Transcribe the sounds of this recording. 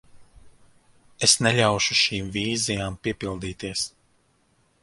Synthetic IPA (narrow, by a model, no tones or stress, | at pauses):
esnɛʎʲawʃuʃiːmviːzijaːmpiɛpilˠd̪iːt̪iɛs